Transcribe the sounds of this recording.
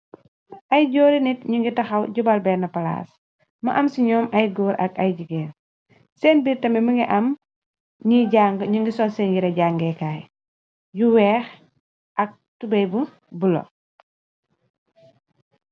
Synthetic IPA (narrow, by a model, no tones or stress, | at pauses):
ʔɐjɟɔːɾinitɲuŋɡitɐxɐwɟubɐlbɛːnɐpɐla̰ːs | mɐʔɐmsiɲɔːmɐjɡɔːɾʔɐkɐjɟiɡɛːn | sɛːnbiɾtɐmɛməŋɡiʔɐm | ɲiɟaŋɡəɲuŋɡisɔːnsɛːnjiɾɐɟaːŋɡɛːkaːj | juwɛːx | ʔɐk̚ | tubɛjbu | bulɔ̰